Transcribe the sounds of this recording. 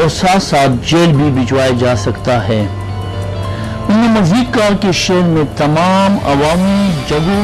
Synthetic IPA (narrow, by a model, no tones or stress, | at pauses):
ɔːɾsaːt̪saːt̪̚d͡ʒeːlbʱibɪt͡ʃwaːjad͡ʒaːsɐkt̪aɦɛː | ʊnẽmɐziːd̪̚kɐɦakeʃeːlmẽt̪ɐmaːmɐ̰ʋaːmid͡ʒɐɡõ